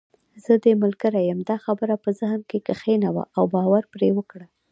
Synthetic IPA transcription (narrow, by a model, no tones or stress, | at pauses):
z̥əd̪əmʊlkəɾajəmd̪ɑxabəɾapəzəhmkekəxenawa̰ʔawbɑwaɾpɾewəkɽa